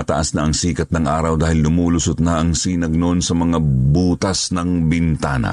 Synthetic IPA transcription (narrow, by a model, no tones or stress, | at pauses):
ɐt̪ɐ̰ʔɐsnaʔɐŋsiːkɐt̪nɐŋʔaːɾɐwd̪aːhɪlnʊmuːlʊsʊt̪̚naʔɐŋsinɐɡ̚nonsɐmɐŋabuːt̪ɐsnɐŋbɪnt̪aːnɐ̰